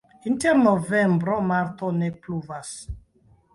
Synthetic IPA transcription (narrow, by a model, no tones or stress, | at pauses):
inteɾnovembɾomaɾt̪onepluvas